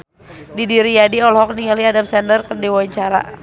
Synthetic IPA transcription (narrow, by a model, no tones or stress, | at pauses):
didiɾijadiɔlɔɦɔk̚niŋaliadamsɛndərkərdiwawiɲt͡ʃaɾa̰